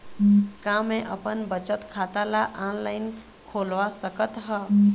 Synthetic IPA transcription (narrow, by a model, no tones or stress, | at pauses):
kamẽʔəpənbət͡ʃət̪kʰat̪alaʔãnlaɪn | kʰolʋasəkət̪ɦə